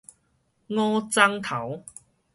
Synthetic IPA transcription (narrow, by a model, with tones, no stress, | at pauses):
ŋɔː˦˥t͡sa˥ŋt̪ʰɐ˨˥w